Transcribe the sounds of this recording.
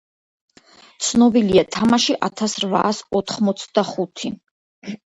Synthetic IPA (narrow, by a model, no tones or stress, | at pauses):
t̪sʰnɔbiliat̪ʰamaʃiʔat̪ʰasɾva̰ːsɔt̪ʰχmɔt̪sʰd̪̥aχut̪ʰi